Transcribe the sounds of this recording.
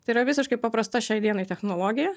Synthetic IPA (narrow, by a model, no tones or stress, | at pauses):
t̪ɐɪiɾɐʋʲɪsʲɪʃkɐɪpɐpɾɐst̪ɐʃʲɛɪd̪ʲiɛnɐɪt̪ʲɛxnoːlˠoːɡʲɪjɛ